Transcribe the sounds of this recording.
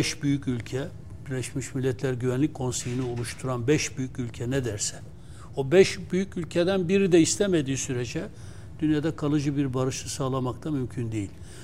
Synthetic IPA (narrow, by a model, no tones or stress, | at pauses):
ɛʃbyjycylʲcʰɛ | biɾlʲɛʃmiʃmilʲːɛt̪ʰlʲæɾɟyvænlʲic̚ʲkʰo̞nsejinɯulˠuʃt̪ʰuɾanbɛʃbyjycylʲcʰɛnɛd̪æɾsɛ̥ | obɛʃbyjycylʲcʰed̪ænbiɾid̪ɛist̪ʰɛmed̪iːsyɾed͡ʒɛ | d̪̥ynjad̪ɛkʰalˠɯd͡ʒɯbiɾbaɾɯʃɯsaːlˠamak̚t̪ʰamymcʰynd̪ejilʲ